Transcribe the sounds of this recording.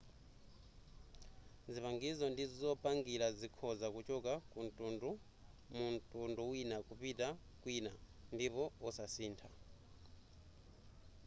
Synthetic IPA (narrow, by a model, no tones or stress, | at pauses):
zipaŋɡizɔndizizɔpaŋɡiɾazikʰɔzakut͡ʃɔkakun̩tʼundu | muntʼunduwinakupita | kwina | ndipɔɔsasiːntʰa